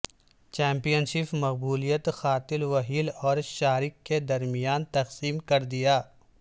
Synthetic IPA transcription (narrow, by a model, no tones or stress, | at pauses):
t͡ʃɛ̃ːmpijənʃɪpmɐqbuːlijət̪xaːt̪ɪlwɐɦiːlɔːɾʃaːɾɪkːed̪ɐɾmijaːnt̪ɐqsiːmkɐɾd̪ɪjaː